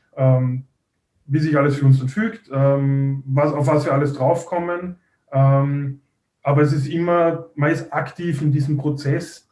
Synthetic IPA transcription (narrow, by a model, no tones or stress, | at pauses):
ʔɛːm | viːsɪçaləsfyɐʊnsɐfyːktɛmvasaʊfvasviːɐaləsd̥ʁaʊfkʰɔmən | ʔɛm | ʔaːbɐɛs̬ɪs̬tɪmɐmanɪstaktʰiːfɪndiːzəmpʁ̥ot͡sɛs